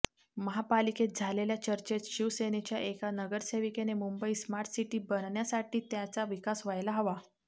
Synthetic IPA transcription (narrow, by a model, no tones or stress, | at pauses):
məɦapaliket̪̚d͡zʱaleljat͡ɕəɾt͡ɕet̪ɕiʋsenet͡ɕjaʔekanəɡəɾseʋikenemumbəiːsmaɾʈ̪siʈiːbənɳjasaʈiːt̪jat͡saʋikasʋajlaɦəʋa